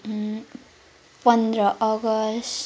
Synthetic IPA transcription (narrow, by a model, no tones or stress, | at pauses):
pʌnd̪ɾʌʔʌɡʌs